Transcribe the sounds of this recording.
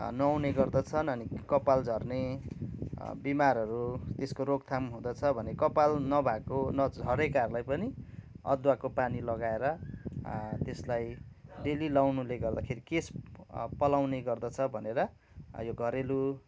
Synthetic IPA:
nʌwneɡʌrd̪ʌt͡sʰʌnʌnikʌpald͡zʱʌrne | bimaɾʌɾut̪eskoɾoɡ̚t̪ʰamɦũd̪ʌt͡sʰʌbʱʌnekʌpalnʌbʱakonʌd͡zʱʌɾekarlajpʌniʌ̰d̪wakopanilʌɡaeɾʌ | t̪eslajɖelilawnuleɡʌrd̪akʰeɾikespʌlawneɡʌrd̪ʌt͡sʰʌbʱʌneɾʌ | joɡʱʌɾelu

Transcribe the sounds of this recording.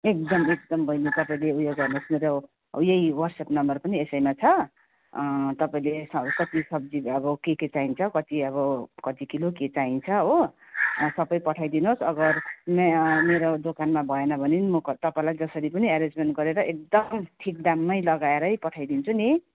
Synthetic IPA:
ek̚d̪ʌmek̚d̪ʌmbʱʌjnit̪ʌpaĩleujoɡɡʌrnosmeɾo | jejwʌrsepnʌmbʌrpʌniesʌjmat͡sʰʌ | t̪ʌpaĩlesʌkʌt̪isʌb̚d͡ziʌbʌkeket͡saint͡sʰʌkʌt̪iʌβʌkʌt̪ikiloket͡saint͡sʰʌɦo | sʌbʌjpʌʈʰajd̪inosʌɡʌrmemeɾod̪okanmabʱʌenʌbʱʌninimʌkt̪ʌpaĩlajd͡zʌsʌɾipʌniaɾed͡zmenʈ̚ɡʌɾeɾʌʔek̚d̪ʌmʈʰik̚ɖamːʌjlʌɡaeɾʌjpʌʈʰajd̪int͡sʰuni

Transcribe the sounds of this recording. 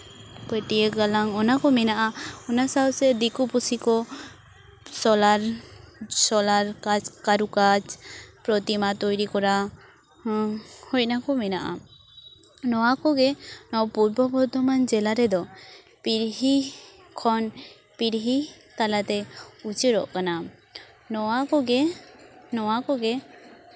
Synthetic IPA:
pəʈieɡalaŋɔnakɔmɛnaʔaɔnasaɔsɛd̪ikupusikɔ | sɔlaɾ | sɔlaɾkat͡ʃkaɾukat͡ʃpɾɔt̪imat̪ɔjɾikɔɾa | hɔj̚nakɔmɛnaʔa̰ | nɔwakɔɡɛnɔwpuɾbɔbɔɾt̪ɔmand͡ʒɛlaɾɛd̪ɔ | piɾɦi | kʰɔn | piɾɦi | t̪alat̪ɛut͡ʃeɾɔ̰ʔkana | nɔakɔɡɛ | nɔwakɔɡɛ

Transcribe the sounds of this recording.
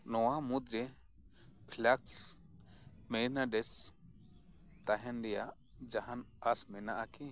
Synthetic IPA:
nɔwamud̪ɾe | pʰlaks | mɛlnaɖɛs | t̪aɦɛnɖija | d͡ʒaɦanasmɛnaʔaki

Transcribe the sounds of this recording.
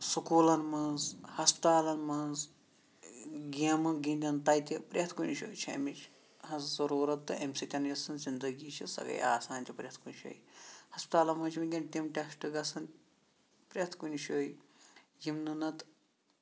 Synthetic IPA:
sukuːlɐnmɐnzhɐspi̥t̪aːlɐnmɐnz | ɡiɐmɐɡĩnʲd̪ʲɐnt̪ɐjt̪ʲipɾʲɐt̪ʰkunʲʃo̰ːjt͡ʃʰɐ̰mit͡ʃʰ | hɐzzɐɾuːɾɐt̪ːɨemsit̪ʲɐnjʲɐsɐnzind̪ɐɡiːt͡ʃʰisɐ̰ɡɐ̰ja̰ːsaːnt̪ʲʰipɾʲɐt̪ʰkunʃo̰ːjihɐspt̪aːlɐnmɐnt͡ʃʰmiɡʲɐnt̪ʲimʈʲɐsʈɨɡɐsɐn | pɾʲɐt̪ʰkunʃoːjjimnɨnɐt̪

